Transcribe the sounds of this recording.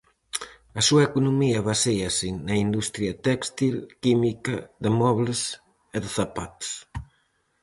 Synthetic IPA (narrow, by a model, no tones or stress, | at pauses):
ɐsuɐekunumiɐβasejɐsiŋnɐind̪ust̪ɾjɐt̪ɛkst̪ilkimikɐðɪmɔβlɪs | eðɪθapat̪s